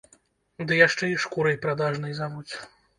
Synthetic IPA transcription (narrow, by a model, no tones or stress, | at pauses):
d̪ɨjaʂt͡ʂɛiʂkuɾɐjpɾad̪aʐnɨjzavut͡sʲ